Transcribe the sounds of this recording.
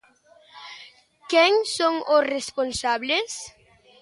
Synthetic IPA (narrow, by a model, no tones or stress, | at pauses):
keŋsõŋʊsresponsaβles